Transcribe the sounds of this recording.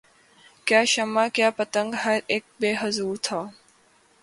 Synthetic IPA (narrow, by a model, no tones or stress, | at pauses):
kjaːʃɐmaːkjaːpɐt̪ə̃ŋɡɦɐɾeːk̚beːɦəzuːɾt̪ʰaː